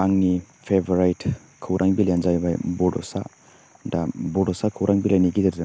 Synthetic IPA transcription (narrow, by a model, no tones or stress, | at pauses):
aŋni | pʰeboɾajt | kʰɯwɾʔaŋbilanzajbajbɔdɔsa̰ | dabɔdɔsakʰɯwɾʔaŋbilajniɡidaɾza